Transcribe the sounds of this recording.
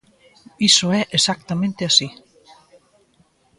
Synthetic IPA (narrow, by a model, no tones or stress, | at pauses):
isoɛɾʔɛsak̚t̪amɛnt̪ɪasi